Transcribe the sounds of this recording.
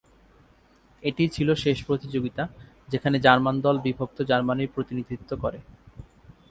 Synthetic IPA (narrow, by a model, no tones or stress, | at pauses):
eʈit͡ɕʰiloʃeʃpɾot̪id͡ʑoɡit̪a | d͡ʑekʰaned͡ʑaɾmand̪ɔlbibʱok̚t̪od͡ʑaɾmaniɾpɾot̪inid̪ʱit̪ːokoɾe